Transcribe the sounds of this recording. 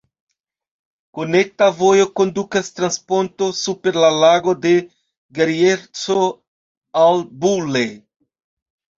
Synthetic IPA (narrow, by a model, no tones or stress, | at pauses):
kone̞k̚tavo̞jo̞ko̞ndukast̪ɾanspo̞nto̞supe̞ɾlalaɡo̞de̞ | ɡeɾieɾt͡so̞ | albule